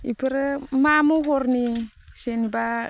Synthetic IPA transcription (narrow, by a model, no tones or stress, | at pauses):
ḭpiɾmamuhuɾni | seniba